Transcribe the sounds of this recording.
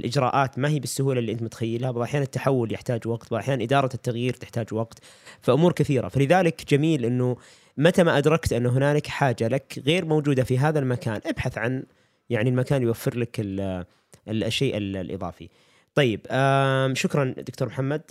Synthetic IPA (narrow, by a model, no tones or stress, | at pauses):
lʔɪd͡ʒɾˤɑ̰ːʔaːt̪maɦiːbɪsːʊhuːlaliʔɪnt̪mʊt̪xajːɪlhabʔaħjaːnɪt̪ːaħawːʊljɪħt̪aːd͡ʒwaɡt̪wʔaħjaːnanʔɪd̪ɑːɾˤɑt̪ːaɣjiːɾt̪ɪ̥ħt̪aːd͡ʒwɑɡt̪ | faʔʊmuːɾkɪθiːɾa̰falɪðaːlɪkd͡ʒamiːlʔɪnːʊ | mat̪amaʔad̪ɾˤɑkt̪ʔɪnːʊɦɪnaːlɪkħaːd͡ʒalakɣeːɾmowd͡ʒuːd̪afiɦaːðalmakaːnʔabħaθʕan | jaʕnilmakaːnljwafːɪɾlakɪl | lʃːeːʔɪllʔɨ̰ðˤɑ̰ːfḭ | t̪ˤɑjːɪbaʃʊkɾˤɑnd̪ʊk̚t̪oːɾmħamːad̪̚